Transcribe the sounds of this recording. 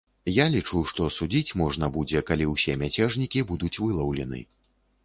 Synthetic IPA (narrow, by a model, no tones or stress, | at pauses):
jalʲit͡ʂuʂt̪ɔsud͡zʲit͡sʲmɔʐnɐbud͡zʲɛkalʲiwsʲɛmʲat͡sʲɛʐnʲikʲibud̪ut͡sʲvɨlˠɐwlʲɛnɨ̰